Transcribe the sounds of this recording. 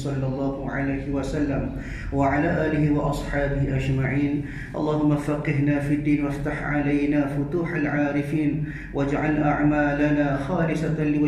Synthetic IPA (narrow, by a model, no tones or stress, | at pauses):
sˤɑlːɑlˤːɑːhʊʕa̰lajhɪwasalːam | waʕalaːʔaːlɪhɪwɑʔɑsˤħɑːbɪhʔad͡ʒmaʕiːn | ʔɑ̰lˤːɑːhʊmːafaqːɪɦnaːfiad̪ːiːnwaft̪aħʕalajnaːfʊt̪uːħalʕaːɾɪfiːn | wʔad͡ʒʕalʔaʕmaːlanaːxaːɾɪsalɪwa